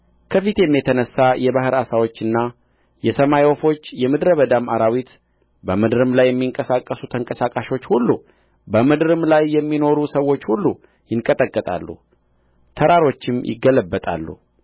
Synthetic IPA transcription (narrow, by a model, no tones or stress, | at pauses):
kʰəfit̪jɛmːjɛt̪ʰənəsːajɛβahɨɾasawo̞t͡ʃːɨnːa | jɛsəmajofo̞t͡ʃːjɛmɨd̪ɾəβəd̪amaɾawit̪ | bəmɨd̪ɨɾɨmlajːɛmːiŋkʼəsakʼːəsut̪ʰəŋkʼəsakʼaʃot͡ʃːhulːu | bəmɨd̪ɾɨmlajːɛmːino̞ɾusəwo̞t͡ʃːhulːu | jɪŋkʼət̪ʼəkʼːət̪ʼa̰lːṵ | t̪ʰəɾaɾo̞t͡ʃːɪmjʔɪ̰ɡələbːət̪ʼa̰lːṵ